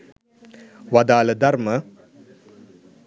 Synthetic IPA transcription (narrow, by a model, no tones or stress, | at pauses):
ʋad̪aːləd̪ɐɾmə